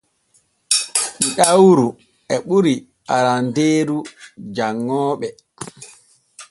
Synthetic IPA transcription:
miɗawɾu | ɛɓuɾi | aɾandeːɾud͡ʒaŋːɔːɓɛ

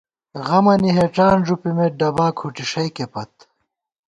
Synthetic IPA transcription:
ɣɐmɐniɦeʈ͡ʂaːnʐupimeɖɐbaːkʰuʈiʂɐjkepɐt̪̚

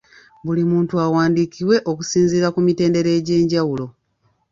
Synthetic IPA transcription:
bulimuːntuawaːndikiwe̞ʔo̞kusiːnziɾakumite̞ːnde̞ɾe̞ːɟe̞ːɲɟawulo̞

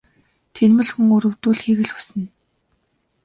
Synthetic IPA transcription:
t̪ʰenmɘ̆ɮxŭŋuɾɵ̆wt̪uːɮxiːɣɘ̆ɮxʊ̥sɘ̆n

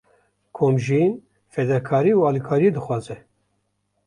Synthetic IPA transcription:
kʰoːmʒin | fɛd̪ɛkʰɑːɾiːuɑːlikʰaːɾijed̪ɨxʷwɑːzɛ

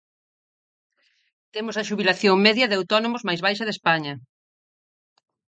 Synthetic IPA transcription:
t̪emʊsɐʃuβilaθjoŋmɛðjɐðɪawt̪ɔnomʊzmajzβajʃɐðespaɲɐ

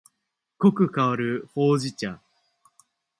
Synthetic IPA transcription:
ko̞kɯ̟kaaɾɯ̟ho̞ːʑit͡ɕã̰

